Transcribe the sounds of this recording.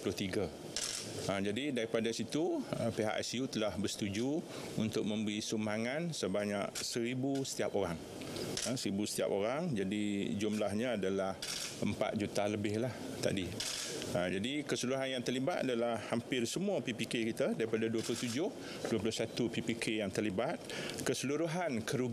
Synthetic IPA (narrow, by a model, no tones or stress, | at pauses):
plʊht̪iɡə | əd͡ʒadidaɾipadasit̪uəpeɦa̰ʔɛ̰sjut̪əlahbərst̪ud͡ʒu | unt̪ʊk̚mə̃mbəɾisumaŋansəbaɲa̰ʔsəɾibusə̥t̪iapoɾaŋ | əsəɾibusə̥t̪ia̰poɾaŋd͡ʒadid͡ʒumlahɲaadalahəmpa̰t̪̚d͡ʒut̪aləbɪhlah | t̪a̰di | əd͡ʒadikəsuluɦanjaŋt̪ərlibat̪a̰dalahːampɪrsəmuapipikekit̪adaɾipadaduəplʊht̪ud͡ʒʊh | duəplʊsat̪upipikʰejaŋt̪ərlibat̪̚kəsəluɾuɦankəɾuɡ